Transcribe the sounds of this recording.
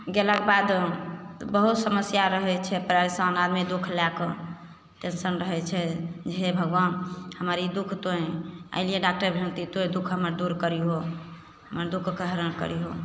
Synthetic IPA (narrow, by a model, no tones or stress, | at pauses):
ɡelakebad̪ | bəɦut̪səməsjaɾəɦɛt͡ʃʰɛpɾaɾisə̃nad̪mid̪ukʰlɛkə | ʈensənɾəɦɛt͡ʃʰɛd͡ʒeɦebʱəɡʋanhəməɾid̪ukʰt̪oẽə̰ilijeɖak̚ʈəɾbʱiə̃nt̪it̪oẽd̪ukʰɦəməɾd̪uɾkəɾiɦo | ɦəməɾd̪ukʰkəɦɾənkə̰ɾiɦo